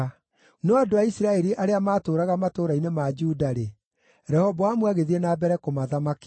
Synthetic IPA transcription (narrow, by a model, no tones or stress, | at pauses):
noadoaisiɾaɛɾiʔaɾeamaːtoːɾaɣamatoɾainemad͡ʒuːdaɾe | ɾɛhɔbɔamwaɣeðienaːbɛɾɛkomaðamake̥